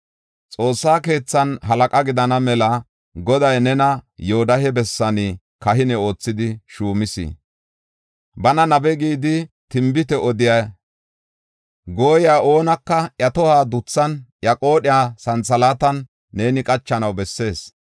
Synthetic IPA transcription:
t͡sʼo̞ːsːaːke̞ːt͡sːɐnɦɐlɐkʼɐɡɪd̪ɐnɐmɛlɐ | ɡɔd̪ɐjnɛnɐjoɔd̪ɐhɛbɛsːɐnɪ | kɐɦɪnɛo̞ːt͡sːɪd̪ɪʃuːmɪsḭ | bɐnɐnɐbɛɡiːd̪ɪ | t̪ɪmbɪt̪ɛʔɔd̪ɪjɐ | ɡo̞ːjɪaːʔo̞ːnɐkːɐjɐt̪ɔhaːd̪ʊt͡sːɐnjɐkʼo̞ːɗɪjaːsɐnt͡sɐlaːt̪ɐnː | e̞ːnɪkʼɐt͡ʃːɐnɐwbɛsːe̞ːs

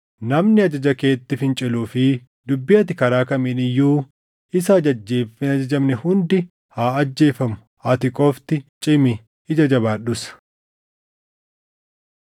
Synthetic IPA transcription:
nɐmnɪɐd͡ʒɐd͡ʒɐkeːt̪ːɪfɪnt͡ʃʼɛluːfɪ | d̪ʊbːɪjɐt̪ɪkɐɾaːkɐmeːnɪjːuː | ɪs̬ɐd͡ʒɐd͡ʒːeːɐd͡ʒɐd͡ʒɐmnɛhʊnd̪ɪ | haːɐd͡ʒːe̞ːfɐmʊ̥ | ɐt̪ɪkʼoːft̪ɪt͡ʃʼɪmɪː | d͡ʒɐd͡ʒɐbaːɗʊsɐ̥

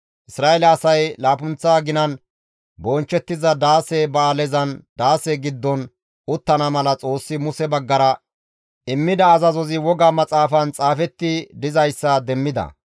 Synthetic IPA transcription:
ʔɪsɾaːelɛɐsɐjlaːpʊnt͡sːaːɡɪnɐn | bɔnt͡ʃːɛt̪ːɪzɐd̪aːsebɐːlɛzɐnd̪aːseɡɪd̪ːɔn | ʊt̪ːɐnɐmɐlɐt͡sʼo̞ːsːɪmʊsɛbɐɡːɐɾɐ | ɪmːɪd̪ɐːzɐzɔzɪwɔɡaːmɐt͡sʼaːfɐnt͡sʼaːfɛt̪ːɪd̪ɪzɐjsːɐd̪ɛmːɪd̪ɐ̰

